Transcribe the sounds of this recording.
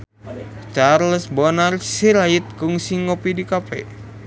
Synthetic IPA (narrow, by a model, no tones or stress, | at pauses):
t͡ʃarləsbɔnarsiɾait̪̚kuŋsiŋːopidikapɛ̰